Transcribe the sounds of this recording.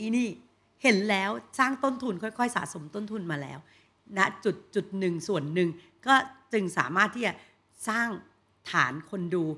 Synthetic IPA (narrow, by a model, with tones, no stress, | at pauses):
i˧niː˥˩ | he˩˦nlɛː˦˥wsaː˥˩ŋt̪o˥˩nt̪ʰu˧nkʰɔ˥˩jkʰɔ˥˩jsa̰ː˩˦so˩˦mt̪o˥˩nt̪ʰu˧nmaː˧lɛ̰ː˦˥w | na˦˥ʔt͡ɕu˨˩t̪̚t͡ɕu˨˩t̪̚nɯ˨˩ŋsu˨˩ənːɯ˨˩ŋ | kɔː˥˩t͡ɕɯ˧ŋsa̰ː˩˦maː˥˩t̪ʰːi˥˩t͡ɕa˨˩ | saː˥˩ŋ | t̪ʰa̰ː˩˦nkʰo˧nduː˧